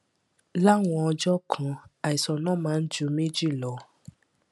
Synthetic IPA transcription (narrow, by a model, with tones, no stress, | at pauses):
la˦˨w̃ɔ̃˧ɔ˧d͡ʒɔ˦kʰã˦˧a˨i˨sɔ˨nã˦mãː˨˦n̩˦d͡ʒu˧˦me˦d͡ʒi˦˨lɔ˨˦